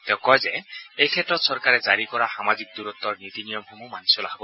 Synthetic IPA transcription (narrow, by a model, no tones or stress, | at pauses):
t̪ɛʊ̃kɔjzɛejkʰɛtɹɔt̪sɔɹkaɹɛzaɹikɔɹaxamazik̚d̪uɾɔt̪ːɔɹnit̪inijɔmhumumansɔlaɦbɔ